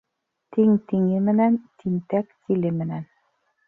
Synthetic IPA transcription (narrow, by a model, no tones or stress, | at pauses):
t̪iŋt̪iŋɘmɘ̆nænt̪ʰiŋt̪ækt̪ilɘmɘ̆næn